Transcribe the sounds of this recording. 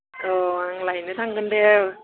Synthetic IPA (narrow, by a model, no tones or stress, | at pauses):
ʔɯːaŋlajnit̪ʰaŋkande